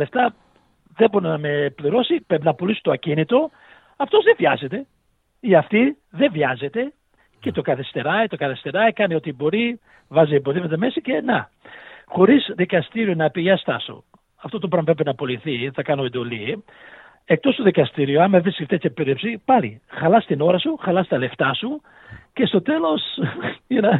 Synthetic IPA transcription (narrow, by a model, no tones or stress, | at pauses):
left̪ɐ | ðeboɾinɐmepliɾo̞sipɾepinɐpulisu̥t̪oɐcinit̪o̞ | ɐft̪o̞zðevʝɐze̞t̪e̞ | iɐft̪i | ðe̞vʝɐze̞t̪e̞ | ce̞t̪o̞kɐθist̪e̞ɾɐit̪o̞kɐθest̪e̞ɾɐikɐnio̞t̪ibo̞ɾi | vɐziembo̞ðimet̪ɐme̞sice̞nɐ | xo̞ɾizðikɐst̪iɾionɐpiʝɐst̪ɐ̰sṵ | ɐft̪o̞t̪opɾɐmpɾepenɐpo̞liθiθɐkɐno̞end̪o̞li | ek̚t̪o̞st̪oðikɐst̪iɾioɐmɐevɾiskift̪et̪çɐpeðepsipɐlixɐlɐst̪ino̞ɾɐsuxɐlɐst̪ɐle̞ft̪ɐsu | ce̞st̪o̞t̪e̞lo̞sinɐ